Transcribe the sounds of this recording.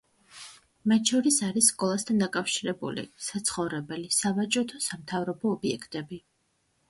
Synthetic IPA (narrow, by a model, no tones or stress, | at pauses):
mat̪ʃɔɾisaɾisːkʼɔlˠast̪ʰand̪akʼafʃiɾɛbṵlḭsat̪sʰχɔvɾɛbɛlisavat͡ʃʼɔt̪ʰɔsamt̪ʰavɾɔbɔːbiɛkʰt̪ʼɛbi